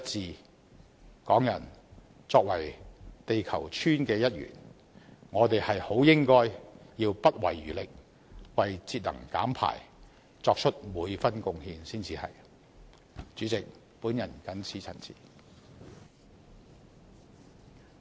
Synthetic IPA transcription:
jɐ˥t̚t͡siː˨˧ | kɔː˨˥ŋjɐ˨˩n | t͡sɔː˧k̚wɐ˨˩jt̪e˨jkʰɐ˨˩wt͡ʃʰyː˥nkɛː˧jɐ˥t̚jy̰ː˨˩n | ŋɔː˨˧t̪e˨jhɐ˨jho˨˥wjɪ˥ŋkɔː˥jjiː˧wpɐ˥t̚wɐ̰˨˩jːy̰ː˨˩lɪ˨k̚ | wɐ˨jt͡siː˧t̚lɐ̰˨˩ŋka̰ː˨˥mpʰa̰ː˨˩j | t͡sɔː˧k̚t͡ʃʰɵ˥t̚muː˨˧jfɐ˥nkʊ˧ŋhiː˧nsiː˥nt͡siː˧hɐ̰˨j | t͡ʃyː˨˥t͡sɪ˨k̚ | puː˨˥njɐ˨˩nkɐ˨˥nt͡sʰiː˨˥t͡sʰɐ̰˨˩nt͡sʰḭː˨˩

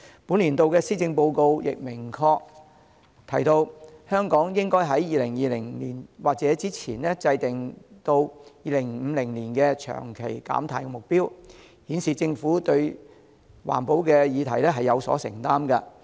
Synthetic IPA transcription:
puː˨˥nliː˨˩nt̪o˧wkɛː˧siː˥t͡sɪ˧ŋpo˧wko˧wjɪ̰˨k̚mɪ˨˩ŋkʰɔː˧k̚ | t̪ʰɐ˨˩jt̪o˧whœː˥ŋkɔː˨˥ŋjɪ˥ŋkɔː˥jɦɐ˨˥jjiː˨˧lɪ˨˩ŋjiː˧lɪ˨˩ŋliː˨˩nwaː˨k̚t͡sɛː˨˥t͡siː˥t͡sʰiː˨˩nɛː˥t͡sɐ˧jt̪ɪ˨˩ŋt̪o˧wjiː˧lɪ˨˩ŋm̩˨˧lɪ˨˩ŋliː˨˩nkɛː˧t͡ʃʰœ̰ː˨˩ŋkʰe˨˩jka̰ː˨˥mt̪ʰaː˨˩jkɛ˧mʊ˨k̚piː˥w | hiː˨˥nsiː˨˩t͡sɪ˧ŋfuː˨˥t̪ɵ˧ɥ | wa̰ː˨˩npo˧wkɛː˧jiː˨˧t̪ʰɐ˨˩jlɛː˥ɦɐ˨jɐ˨˧wsɔ̰ː˨˥sɪ˨˩ŋt̪aː˥mkɐ˧

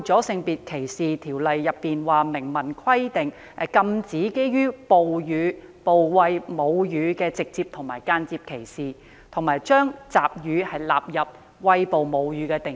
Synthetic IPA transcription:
t͡sɔː˨˥sɪ˧ŋpiː˨t̚kʰe˨˩jsiː˨t̪ʰiː˨˩wlɐ˨jːɐ˨pːiː˨nwaː˨mɪ˨˩ŋmɐ˨˩nkʰɐ˥jt̪ɪ˨ŋ˨ | kɐ˧mt͡siː˨˥ke˥jɥyː˥po˨wjyː˨˧po˨wwɐ˧jmo˨˧wjyː˨˧kɛː˧t͡sɪ˨k̚t͡siː˧p̚t̪ʰʊ˨˩ŋmaː˨˩jkaː˧˥nt͡siː˧p̚kʰe˨˩jsiː˨ | t̪ʰʊ˨˩maː˨˩jt͡ʃœː˥ŋt͡saː˨p̚jyː˨˧hɐ˨jla̰ː˨p̚jɐ˨p̚ | wɐ˧jpo˨wmo˨˧wjyː˨˧˥kɛ˧t̪ɪ˨

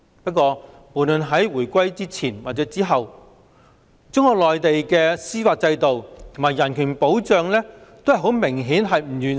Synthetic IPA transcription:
pɐ˥t̚kʷɔː˧ | mo˨˩lɵ˨˧nɦɐ˨˥jwuː˨˩jkʷɐ˥jt͡siː˥t͡sʰiː˨˩nwaː˨t̚t͡sɛː˨˥t͡siː˥ɦɐ˨w | t͡sʊ˥ŋkɔː˧k̚lɔː˨jt̪e˨jkɛː˧siː˥faː˧t̚t͡sɐ˧jt̪o˨wt̪ʰo˨ŋmaː˨˩jɐ˨˩nkʰyː˨˩npo˨˥wt͡sœː˨˧ŋlɛː˥t̪o˥whɐ˨jɦo˨˥wmɪ˨˩ŋɦiː˨˥nɦɐ˨jm̩˨˩jyː˨n

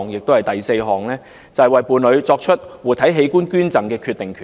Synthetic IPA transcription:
ŋjɪ˨k̚t̪o˥whɐ˨jt̪ɐ˨jse˧jɦɔː˨ŋlɛː˥ | t͡sɐ˨˩hɐ˨˩jwɐ˨˩jpuː˨˧nlɵ˨˧ɥt͡sɔː˧k̚t͡ʃʰɵ˥t̚wuː˨˩t̪ʰɐ˨˥jɦe˨˧jkuː˥nkyː˥nt͡sɐ˨˩ŋkɛː˧kʰy˧t̪ɪ˨ŋkʰː

